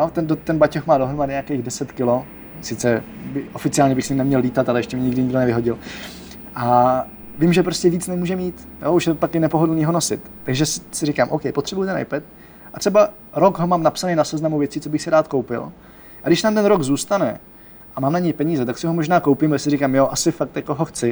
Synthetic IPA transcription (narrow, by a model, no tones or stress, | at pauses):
jot̪ɛndot̪ɛnbacoxmaːdoɦɾomadɪɲeakejɣdɛsɛt̪kɪlo̞ | sɪt͡sɛbɪʔo̞fɪt͡sɪaːlɲɛbɪxsɛɪmnɛmɲɛlːiːt̪at̪alɛjɛʃcɛmɲɛɲɪɡdɪɲɪɡdonɛvɪɦoɟɪl | ʔa | vɪmʒɛpɾoscʲɛviːt͡snɛmuːʒɛmiːt̪jouʃjɛpakɪnɛpo̞ɦodl̩niːɦo̞nosɪ̰t̪ːaɡʒɛssɪɾɪkaːmʔowkɛjpot̪r̥ɛbujt̪ɛna̰jpɛt̪̚ | ʔat̪r̥ɛba | ɾo̞ɡɦomaːmnapsanejnasɛznamuvjɛt͡siːt͡so̞bɪxsɪɾaːt̪ko̞wpɪ̰l | ʔaɡdɪʃnaːmt̪ɛnɾoɡzuːst̪anɛ̰ | ʔamaːmnaɲɛjpɛɲiːzɛt̪aksɪɦomo̞ʒnaːkowpimɛsɪɾɪkaːmjoʔasɪfak̚t̪jakoɦoxt͡sɪ